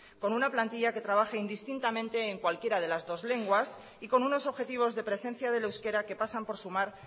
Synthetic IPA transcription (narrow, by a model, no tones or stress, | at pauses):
ko̞nunaplant̪iʎake̞t̪ɾaβ̞axeind̪ist̪int̪amẽ̞nt̪e̞ːŋkwalkje̞ɾað̞e̞lazðo̞zle̞ŋɡwas | iko̞nuno̞so̞βxe̞t̪iβ̞o̞zðe̞pɾe̞se̞n̟θjaðe̞lewske̞ɾake̞pasampo̞ɾsumaɾ